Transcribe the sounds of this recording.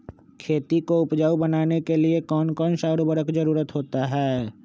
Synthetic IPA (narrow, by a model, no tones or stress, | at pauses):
kʰeːt̪ikoʊpd͡ʒaːubənaːnekeliekɔːnkɔːnʃaːɾbəɾəkd͡ʒəɾuːɾət̪ɦoːt̪aɦɛː